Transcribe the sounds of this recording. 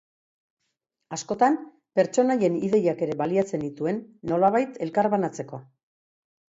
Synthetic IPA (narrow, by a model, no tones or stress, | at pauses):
asko̞t̪am | pe̞ɾt͡ʃo̞naje̞niðe̞jake̞ɾe̞βaliat͡se̞nd̪it̪ue̞nːo̞laβajt̪e̞lkaɾβanat͡se̞ko̞